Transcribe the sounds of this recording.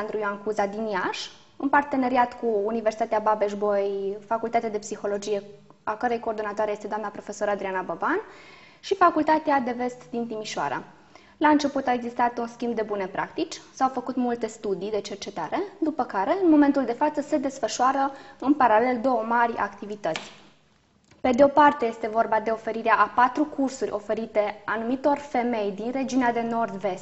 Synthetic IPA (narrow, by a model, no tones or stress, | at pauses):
and̪ɾujoankuzad̪iniaʃ | ɨnpart̪e̞ne̞ɾiat̪kuːniversi̥t̪at̪eababe̞ʃbojfakult̪at̪ead̪e̞psixo̞lo̞d͡ʒije̞ | akəɾejko̞ːrd̪o̞nat̪oaɾejest̪d̪oamnapɾo̞fe̞so̞ɾad̪ɾianabəban | ʃifakult̪at̪ead̪e̞ve̞st̪d̪int̪imiʃa̰ɾə̰ | laɨnt͡ʃe̞put̪aeɡzist̪at̪unskʲimbd̪e̞bune̞pɾʔa̰kt̪it͡ʃʲsawfəkut̪mult̪e̞st̪ud̪id̪e̞t͡ʃe̞rt͡ʃe̞t̪aɾe̞d̪upəkaɾe̞ɨnmo̞me̞nt̪uld̪e̞fat̪səse̞d̪e̞sfəʃuaɾəɨnpaɾale̞ld̪o̞womaɾʲa̰kt̪ivit̪ət̪sʲ | pe̞d̪eo̞part̪eje̞st̪e̞vo̞rbad̪e̞o̞fe̞ɾiɾeaʔapat̪ɾukursurʲʔo̞fe̞ɾit̪e̞anumit̪o̞rfe̞me̞jd̪inre̞d͡ʒiunead̪e̞no̞rd̪ve̞st̪